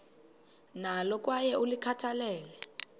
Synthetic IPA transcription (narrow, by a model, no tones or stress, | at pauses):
nalɔk̬ʼwajɛʔulikʰatʰalɛːlɛ